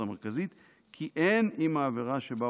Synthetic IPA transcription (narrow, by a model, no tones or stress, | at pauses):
ameʁkazit̪ | kʰiʔenimaːviʁaʃeba